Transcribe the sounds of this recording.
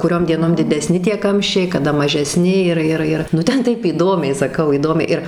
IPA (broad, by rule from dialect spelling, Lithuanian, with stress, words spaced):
kʊˈrʲoːm dʲiɛˈnoːm dʲɪdʲɛˈsʲnʲɪ tʲiɛ ˈkɐmʲʃʲt͡ʃʲɛɪ kɐˈdɐ mɐʒʲɛˈsʲnʲɪ ˈɪr ˈɪr ˈɪr ˈnʊ ˈtʲɛn ˈtɐɪp iːˈdoːmʲɛɪ sɐˈkɐʊ iːˈdoːmʲɛɪ ɪr